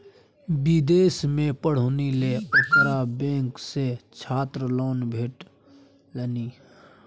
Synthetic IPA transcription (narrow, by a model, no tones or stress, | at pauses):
bɪd̪eːsmẽpəɽ̤oːnileʊt̪ɾabẽːkset͡ʃʰaːt̪ɾəloːnbʱeːʈ | ləniː